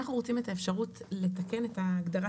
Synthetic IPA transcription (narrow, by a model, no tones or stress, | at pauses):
aχnuʁot͡sime̞taefʃaʁutle̞take̞ne̞taːɡdaʁa